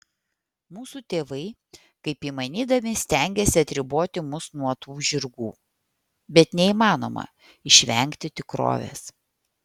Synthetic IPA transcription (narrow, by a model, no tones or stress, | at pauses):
muːsut̪ʲeːʋɐɪ | kɐɪpiːmɐnʲiːd̪ɐʋʲɪsʲt̪ʲɛˑŋʲɡʲɛsʲɪɐt̪ʲɾʲɪboːt̪ʲɪmʊsnuɔt̪uːʒʲɪɾɡuː | bʲɛt̪nʲɛiːmɑːno̰ːmɐ̰ | ɪʃʲʋʲɛŋʲkt̪ʲɪt̪ʲɪkɾo̰ːʋʲḛs